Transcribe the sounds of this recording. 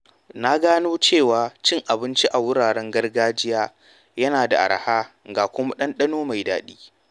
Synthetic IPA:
na˦ɡaː˦noː˦t͡ʃeː˦˨waː˨t͡ʃɪ˦ŋʔa˨bɪ˦nt͡ʃi˦ʔa˨wʊ˦ɽaː˨ɽɛ˦ŋɡɐ˦rɡaː˦d͡ʒɪ˦jaː˦ | jɐ˦naː˨da̰˨ʔa̰˨ɾhaː˦ŋɡaː˨kʷʊ˦ma˦ɗɐ˦nɗɐ˦noː˦ma˨jdaː˨˦ɗiː˦

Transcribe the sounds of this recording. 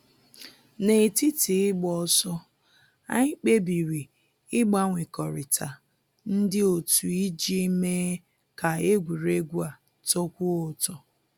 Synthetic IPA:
ne˨ti˦ti˨ɪ˦ɡ͡bɔ˨sɔ˦ | a̰˦ɲ̩˦k͡pe˦bi˨wi˨ | ɪ˦ɡ͡ba˦ŋʷe˨kɔ˨ɾɪ˨tʰa˨ | n̩˦dɪ˦o˨tu˨i˦d͡ʒi˦me˦ | ka˨e˦ɡʷi˨ɾe˦ɡʷu˦a˨ | to˦kʷu˦ʊ˨tɔ˦

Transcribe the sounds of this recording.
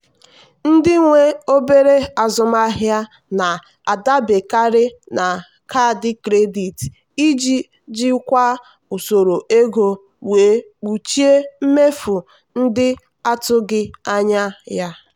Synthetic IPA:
n̩˦dɪ˦ŋʷe˦o˦be˦ɾe˦a˨zʊ˨m˦a˦ɦja˦ | na˨ | a˨da˦be˨ka˦ɾɪ˦na˨ | ka˦˨dɪ˦kɾe˦di˨t | i˦d͡ʒi˦ | d͡ʒi˦kʷa˦ | u˨so˨ɾo˨ʔe˦ɡo˨ | weː˨˦k͡pu˨t͡ʃi˦e˦m̩˦me˦fu˨ | n̩˦dɪ˦ | a˦tʊ˦ɡɪ˦a˦ɲa˦ja˦

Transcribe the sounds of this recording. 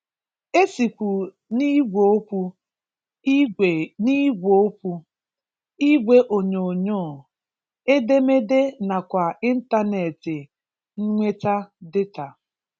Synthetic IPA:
e˦si˨kʷu˨ | ni˦ɡʷo˨˦o˦pʷu˦ | i˦e˨ni˦ɡʷo˨˦o˦pu˦ | i˦ɡʷe˦ʔo˨ɲo˨ɲo˦˨ | e˦de˦me˦de˦na˨kʷa˨i˦n̩˦ta˦ne˨tɪ˨ | ŋ̩˦ŋʷe˦ta˦dɪ˦ta˨

